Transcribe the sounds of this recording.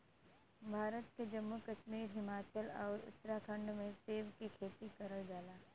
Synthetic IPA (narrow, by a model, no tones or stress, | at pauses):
bʱaːɾət̪ked͡ʒɐmːukɐʃmiːɾɦɪmaːt͡ʃəlɔːɾʊ̰t̪ːɾakʰɐ̃ɳɖmẽseːʋkikʰeːt̪ikɐɾəɭd͡ʒaːlaː